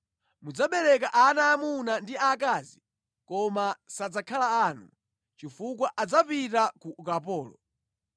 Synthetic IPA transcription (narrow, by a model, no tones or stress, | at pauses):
mud͡zaɓɛlɛk̬aʔanaːmunandiak̬aːzi | kɔmasad͡zakʰalaaːnṵ | t͡ʃifuk̬waʔad͡zapitakukapɔːlɔ